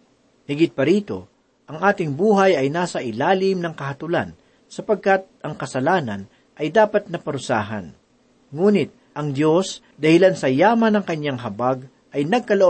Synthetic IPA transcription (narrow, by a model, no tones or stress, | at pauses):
hɪɡɪt̪̚pɐɾiːt̪o̞̰ | ʔɐŋʔaːt̪ɪŋbuːɦɐjɐjnaːsɐʔɪlaːlɪmnɐŋkɐhɐt̪ʊla̰n | sɐpɐɡ̚kɐt̪̚ʔɐŋkɐsɐlaːnɐ̰n | ʔɐjd̪aːpɐt̪̚nɐpɐɾʊsa̰ːɦɐ̰n | ŋuːnɪt̪̚ | ʔɐŋd̪jo̞s | d̪ɐhɪlansɐjaːmɐnɐŋkɐɲaŋɦɐbaɡ̚ | ʔɐjnɐɡ̚kɐloʔo